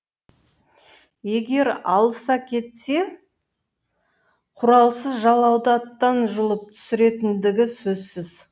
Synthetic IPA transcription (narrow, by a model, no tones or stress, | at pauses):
je̞ɡʲe̞ɾɑlˠsɑkʲʰe̞t̪se̞ | qʰʊɾɑlˠsəzʒɑlˠɑwd̪ət̪ːɑnʒʊlˠəp̚t̪ʰʏ̥sɪɾe̞t̪ɪnd̪ɪɡʲɪsɵzsɪz